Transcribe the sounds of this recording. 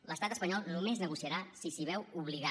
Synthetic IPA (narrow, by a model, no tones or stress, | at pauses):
ləst̪at̪əspəɲɔlˠnumeznəɣusiəɾasisiβɛwuβ̞liɣa